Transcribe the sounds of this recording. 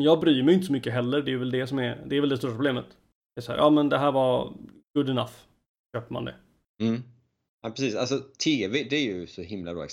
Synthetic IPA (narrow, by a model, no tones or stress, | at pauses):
jɑːɡbɾyːmɛjɪnt̪əsɔmʏkːəɦɛlːəɾɖɛjʏvɛld̪ɛsɔmɛɾd̪ɛːɾvɛld̪ɛst̪uːɾapɾʰʊbleːmət̪ | d̪ɛɾsaæ̰ːɾʔɑːmɛnd̪ɛɦæːɾvɑɾɡ̥ɵd̪ɪnaf | ɕøːpəma̰nd̪ɛ̰ | m̩ː | aːpɾɛsiːsa̰lsɔt̪ʰiːɛvɪd̪ɛæɾjɵsɔhɪmla̰bɾɑ̰ːɡ